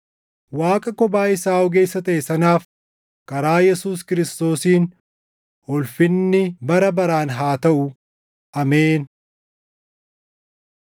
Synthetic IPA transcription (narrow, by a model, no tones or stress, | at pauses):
waːkʼɐkɔbaːɪsaːɔɡe̞ːsːɐt̪ɐʔesɐnaːf | kɐɾaːjɛsuːskɪɾɪst̪o̞ːsiːn | hɔlfɪnːɪbɐɾɐbɐɾaːnɦaːt̪ɐʔʊ | ʔɐmeːn